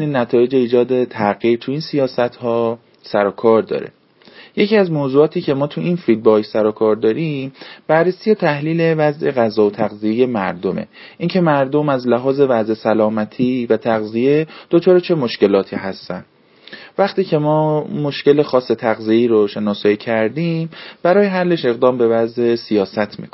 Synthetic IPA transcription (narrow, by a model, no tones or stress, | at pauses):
niːnːæt̪ʰɒːje̞d͡ʒe̞iːd͡ʒɒːd̪e̞t̪ʰæɣiːɾt̪ʰuiːnsijɒːsæt̪ʰhɒː | sæɾɒːkʰɒːɾd̪ɒ̰ːɾe̞̰ | je̞cʰiæzmoːzuːɒːt̪ʰiːcʰe̞mɒːt̪ʰuinfid̪̚bɒːjsæɾɔkʰɒːɾd̪ɒːɾimb̥ærːesijet̪ʰæhliːle̞væzʔe̞ɣæzɒːot̪ʰæɣzije̞je̞mæɾd̪o̞mḛ | ʔiːŋcʰe̞mæɾd̪o̞mæzlæɦɒːze̞væze̞sælɒːmæt̪ʰiːvæt̪ʰæɣzije̞d̪̥ot͡ʃʰɒːɾet͡ʃʰe̞mo̞ʃce̞lɒːt̪ʰḭːhæst̪æ̰nd̪ | væχt̪iːcʰe̞mɒːmo̞ʃce̞le̞xɒːsːe̞t̪ʰæɣzijeiːɾoʃe̞nɒːsɒːiːcʰæɾd̪ĩːmb̥æɾɒːjeɦælːe̞ʃe̞ɣd̪ɒːmbe̞væze̞sijɒːsæt̪ʰmḭkʰon